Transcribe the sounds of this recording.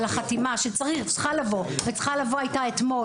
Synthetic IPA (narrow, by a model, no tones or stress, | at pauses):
laχatimaʃet͡saʁiχt͡sχalavo̞vet͡sχalavoajtaet̪mo